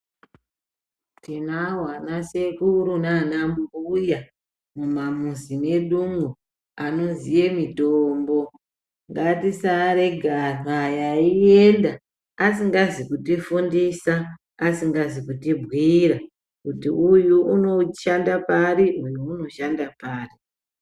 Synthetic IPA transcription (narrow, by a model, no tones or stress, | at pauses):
tinaɦwanase̞kuɾunanambuja | mumamuzine̞ɗuŋɡu | ano̞zije̞mitoːmbo̞ | ŋɡatisaɾe̞ɡʱaajaie̞ndaː | siŋɡazikutifundisaː | siŋɡazikutibʱwiɾa | kutiʔujuuno̞ʃandapaɾiʔujuːno̞ʃandapaːri